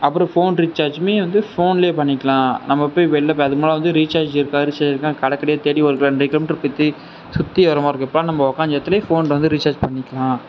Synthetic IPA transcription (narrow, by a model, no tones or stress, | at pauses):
ɐpːɯɾɔ̃foːnɾit͡ʃːaːɾd͡ʒmeːʋɐnd̪ɯfoːnɪleːpɐɳːɪkːɐɭãːnɐmːɐpːoːjʋɛɭːɐpɐðɯmaːlɐʋɐnd̪ɯɾiːt͡ʃaːɾd͡ʒɪɾɯkːãːɾit͡ʃaːd͡ʒɪɾɯkːãkɐɽɐkːɐɽɛjaːt̪eːɽiʋɐɾɯkːɭɐ̃nikːlɐmʈɾpːɪt̪ːɯ | sʊt̪ːiɐʋɐɾɐmãːɪɾɯkːɪpːɐɭãːnɐmːɐɔkaːnd͡ʒɐɐt̪ːɪleːfoːnlʋɐnd̪ɯɾit͡ʃaːɾd͡ʒpɐɳːɪkːɐɭãː